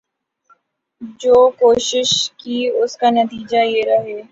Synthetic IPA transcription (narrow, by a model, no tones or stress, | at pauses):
d͡ʒoːkoːʃɪʃkiʊskanɐt̪iːd͡ʒajeɾɐɦeː